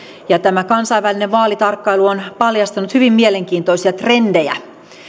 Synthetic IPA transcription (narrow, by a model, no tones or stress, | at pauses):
jɑt̪æmækɑnsɑiʋːælineʋʋɑːlit̪ɑrkːɑiluonpɑljɑst̪ɑnut̪hyʋimmieleŋkiːnt̪oisiɑt̪rendejæ̰